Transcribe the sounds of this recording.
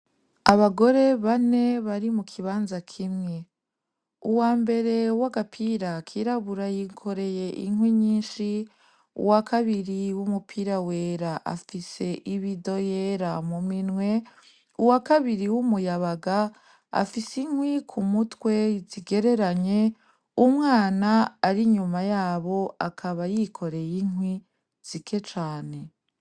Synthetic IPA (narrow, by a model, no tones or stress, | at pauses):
aβaɡo̞ɾe̞βane̞βaɾimukʰiβaːnzakʰimŋe̞ | uwaːmbe̞ɾe̞waɡapʰiɾakʰiɾaβuɾajiŋkʰo̞ɾe̞je̞ʔḭŋwiɲiːnʃi | ṵwakʰaβiɾiwumupʰiɾawe̞ːɾaʔa̰fise̞ʔiβido̞jeːɾamuminŋwe̞ | uwakaβiɾiwumujaβaɡa | a̰fisiŋhwikʰumutwe̞ziɡe̞ɾe̞ɾaɲe | umŋaːnaːɾiɲumajaːβo̞akʰaβajikʰo̞ɾejiŋɦwi | z̥ikʰe̞t͡ʃaːne̞